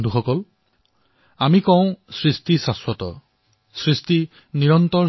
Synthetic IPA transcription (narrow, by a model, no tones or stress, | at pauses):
duxɔkɔl | amikɔw̃sɹistisaswɔtɔ̰ | sɹisti | niɹɔntɔ